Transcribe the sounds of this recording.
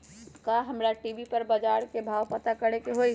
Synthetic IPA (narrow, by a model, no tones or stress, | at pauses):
kaɦɐmɾaʈiːʋipɐɾbɐd͡ʒaːɾkebʱaːwpɐt̪akɐɽekeɦoi